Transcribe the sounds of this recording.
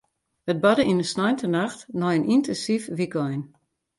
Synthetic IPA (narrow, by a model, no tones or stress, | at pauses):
ət̚bɔdəinəsnɔjntʰənaxtnɔjənʔintʰənsifʋikɔjn